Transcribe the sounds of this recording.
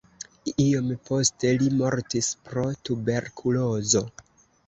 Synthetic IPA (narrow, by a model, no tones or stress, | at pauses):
io̞mpo̞ste̞limo̞ɾtispɾo̞tube̞ɾkʰulo̞zo̞